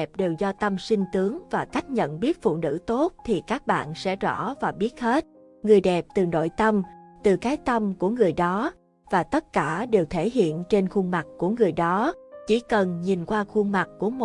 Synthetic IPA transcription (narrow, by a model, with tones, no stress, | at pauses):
ɛ˨˩p̚ɗɨ˨˩əw̚zɔ˧t̪ə˧msï˧ŋ̟t̪ɨ˨˦əŋvaː˨˩ka˦˥jk̚ɲə̰˧˨nɓi˦˥ət̚fṵ˧˨nɨ̰˧˩t̪o˦˥t̚t̪ʰi˨˩kaː˦˥k̚ɓa̰ː˧˨nsɛ̰˧˥zɔ̰˧˩˥vaː˨˩ɓi˦˥ət̚he˦˥t̚ | ŋɨ˨˩əjɗɛ˨˩p̚t̪ɨ˨˩no̰˧˨jt̪ə˧mt̪ɨ˨˩kaː˨˦jt̪ə˧mku˧˩əŋɨ˨˩əjɗɔ˨˦ | vaː˨˩t̪ə˦˥t̚kaː˧˩ɗe˨˩əw̚t̪ʰe˧˩ɦḭ˧˨ənt͡ɕe˧nxu˧əŋma˨˩k̚ku˧˩əŋɨ˨˩əjɗɔ˨˦t͡ɕi˧˩kə˨˩nɲi˨˩nkwaː˧xu˧əŋma˨˩k̚ku˧˩əmo˨˩